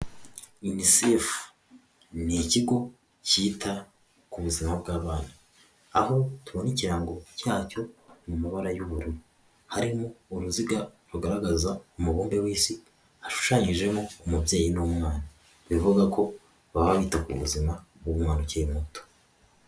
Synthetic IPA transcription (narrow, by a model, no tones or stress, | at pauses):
inisef | niciɡo̞ | ciːtʰa | kuβuzimabɡaːβaːna | aho̞tuβo̞niciɾaŋɡo̞caːco̞mumaβaɾajuβuɾuɾu | haɾimo̞ːɾuziɡaɾuɡaɾaɡazaumuβuːmbewiːsi | aʃu̥ʃaɲiʒe̞mo̞ːmubje̞ːjinuːmŋaːna | βivuɡakʰo̞ | βaβaβiːtakṵβṵzimaɡumŋaːnuceimuto̥